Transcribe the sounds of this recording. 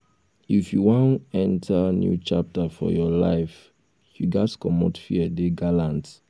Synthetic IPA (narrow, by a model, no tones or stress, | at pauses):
ifjuwõnɛ̃ntʰanjṵt͡ʃap̚tafɔ̰jɔla̰ɪf | juɡatkɔmɔtfiədeɡalãnt